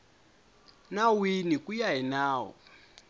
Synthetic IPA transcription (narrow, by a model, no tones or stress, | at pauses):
nawinikujaɦinaːwɔ̰